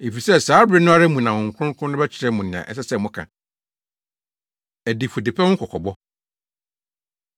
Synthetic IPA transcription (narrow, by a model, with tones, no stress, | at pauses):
e˨fi˨sɛ˦saː˨˦bɾɪ˦nʊ̃˦a˦ɾɛ˦mũ˨nã˨wʊ̃˨ŋ̩˨kʰʷʊ˦ʊ̃˦ŋ˦kʰʊ̃˦nʊ̃˦bɛ˦t͡ɕʰɪ˨ɾɛ˨˦mʊ̃˨nɪ̃˨ã̰˨ʔɛ̰˦sɛ˦sɛ˦˨mʊ̃˦kʰã̰˨ | æ˨dɪ˨fo˨dɪ˨pʰɛ˦wʊ̃˦ŋ̩˦kʰɔ˨kʰɔ˨bɔ˦